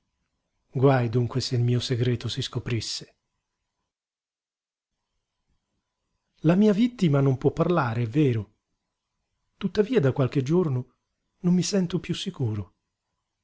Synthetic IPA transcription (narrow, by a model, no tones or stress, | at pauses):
ɡwajd̪uŋkweseilmiːoseɡɾɛːt̪osiskopɾisːe̥ | lamiːavit̪ːimanompwɔpːarlaːɾeɛvːɛːɾo | t̪ut̪ːaviːad̪akwalk̟ed͡ʒorno | nomːisɛnt̪opjusːikuːɾo